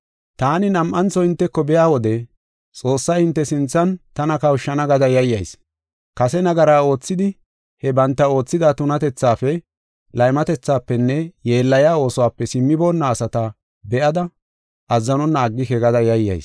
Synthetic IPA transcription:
t̪aːnɪnɐmʔɐnt͡sɔɪnt̪ːɛkːɔbɛjaːwɔd̪ɛ | t͡sʼo̞ːsːɐjhɪnt̪ːɛsɪnt͡sːɐnt̪ɐnɐkɐwʃːɐnɐɡɐd̪ɐjɐjːɐjs | kɐsɛnɐɡɐɾaːo̞ːt͡sːɪd̪ɪ | hɛbɐnt̪ːɐo̞ːt͡sːɪd̪at̪ʊnɐt̪ɛt͡sːaːfɛ | lɐjmɐt̪ɛt͡sːaːpːɛnːɛje̞ːlːɐjaːo̞ːsɔwaːpːɛsɪmːɪbo̞ːnːaːsɐt̪ɐ | bɛʔɐd̪ɐ | ʔɐzːɐnɔnːaːɡːɪhɛɡɐd̪ɐjɐjːɐ̰js

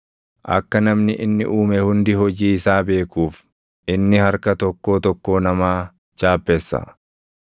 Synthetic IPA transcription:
ʔɐ̰kːɐnɐmnɪʔɪnːɪʔuːmɛhʊnd̪ɪhɔd͡ʒiːɪsaːbe̞ːkuːf | ʔɪnːɪhɐɾkɐt̪ɔkːo̞ːt̪ɔkːo̞ːnɐmaː | t͡ʃaːpːɛsːɐ̰

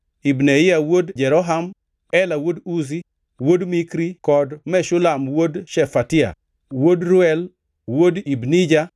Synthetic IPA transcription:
ibnɛɪawodd͡ʒɛɾɔɦam | ɛlawoduzi | wodmikɾikɔdmɛʃʊlamwodʃɛfatɪa̰ | wodɾʊɛl | wodibnid͡ʒa

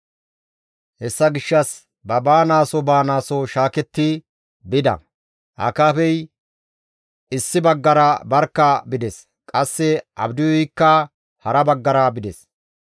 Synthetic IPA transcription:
hɛsːɐɡɪʃːɐs | bɐbaːnaːsɔbaːnaːsɔʃaːkɛt̪ːɪ | bɪd̪ɐ̰ | ʔɐ̰kaːfɛj | ɪsːɪbɐɡːɐɾɐbɐɾkːɐbɪd̪ɛs | kʼɐsːɛʔɐ̰bd̪ɪjɔjkːɐ | hɐɾɐbɐɡːɐɾɐbɪd̪ɛs

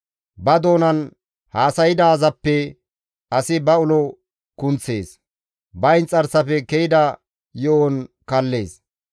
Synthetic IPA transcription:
bɐd̪o̞ːnɐn | haːsɐjɪd̪ɐzɐpːɛ | ɐsɪbɐʊlɔ | kʊnt͡sːe̞ːs | bɐjnt͡sʼɐɾsɐfɛkɛjɪd̪ɐ | jɔʔɔnkɐlːeːs

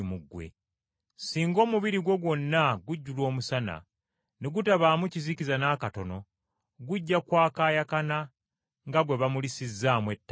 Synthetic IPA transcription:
muɡːwe̞̰ | siːŋɡo̞ːmuβiɾiɡwo̞ɡwo̞nːaɡuɟːulo̞ːmusana̰ | neɡutaβaːmucizicizanaːkato̞no̞ | ɡuɟːakwaːkaːjakana | ŋɡaɡwe̞βamulisizːaːmwe̞tː

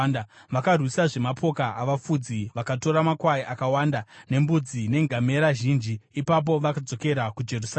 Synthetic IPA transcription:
ʋakarwisaʐe̞mapʰo̞kaʔaʋafud͡ziʋakato̞ɾamakwaiʔakawandane̞mbud͡zine̞ŋɡʱame̞ɾaʒiːnd͡ʒiːpap̬o̞ʋakad͡zo̞ke̞ɾakud͡ʒe̞rus

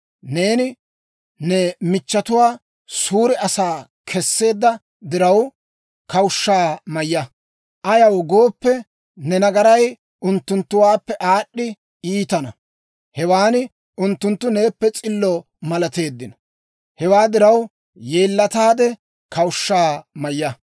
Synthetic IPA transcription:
ne̞ːnɪ | nɛmɪt͡ʃːɐt̪ʊwaː | suːɾɛɐsaːkʰɛsːe̞ːd̪ːɐ | d̪ɪɾɐw | kɐwʊʃːaːmɐjːɐ | ʔɐjɐwɡo̞ːpːɛ | nɛnɐɡɐɾɐj | ʔʊnt̪ːʊnt̪ːʊwaːpːɛʔaːɗːɪ | iːt̪ɐnɐ | hɛwaːnɪ | ʔʊnt̪ːʊnt̪ːʊne̞ːpːɛt͡sʼɪlːɔ | mɐlɐt̪e̞ːd̪ːɪnɐ | hɛwaːd̪ɪɾɐw | jeːlːɐt̪aːd̪ɛ | kɐwʊʃːaːmɐjːɐ

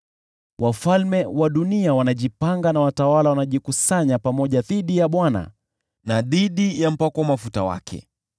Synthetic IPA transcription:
wʔafalmɛwaɗuniawanaʄipaŋɡanawatawalawanaʄikusaɲapamɔʄaðiɗijaɓwana̰ | naðiɗijam̩pakɔwamafutawa̰kʰɛ̰

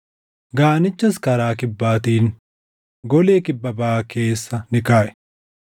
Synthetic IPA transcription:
ɡaːnɪt͡ʃːɐskɐɾaːkɪbːaːt̪iːn | ɡɔleːkɪbːɐbɐaːke̞ːsːɐnɪkaːʔɛ̥

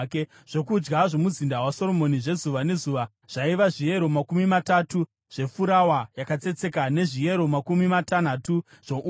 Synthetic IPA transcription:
k | ʐ̥o̞kud͡ʒɡaʐo̞muzindawaso̞ɾo̞mo̞niʐe̞zuʋane̞zuːʋa | ʐ̥aiʋaʐije̞ɾo̞makumimatatu | ʐ̥e̞fuɾawajakat͡se̞t͡se̞kane̞ʐije̞ɾo̞makumimatanatu | ʐ̥oʔu

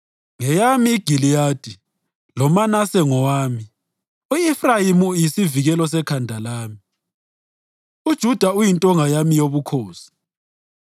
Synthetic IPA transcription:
ŋɛjamiːɡ̥ʱilijaːd̥ʱi | lɔmanasɛŋɔwaːmi | uifrajimujisiviɣɛlɔsɛkʰandʱalaːmi | ud̥ʒ̥ʱud̥ʱaujintʼɔŋajamijoβukʰɔːsi̥

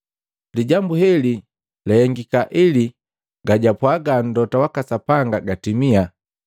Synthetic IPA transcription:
liɟambuɦɛli | lɛhɛŋɡikaʔili | ɡaɟapwaɡan̩dɔtawakasapaŋɡaɡatimia

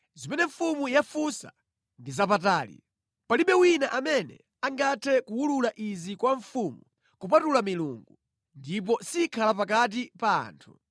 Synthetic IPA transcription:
zimɛnɛɱfumujafusa̰ | ndizap̬ataːlḭ | paliɓɛwinaʔamɛnɛ̰ | aŋɡatʰɛkuwululaʔizikwaɱfumu | kup̬atulamilṵːŋɡu | ndip̬ɔsikʰalap̬ak̬at̬ipa̰ːntʰu

